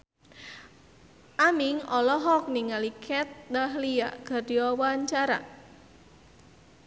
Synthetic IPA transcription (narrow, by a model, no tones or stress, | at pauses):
ʔamiŋɔlɔɦɔk̚niŋalikʰɛt̪̚daɦlia̰ɡ̥a̤rdiɔwaɲt͡ʃaɾa̰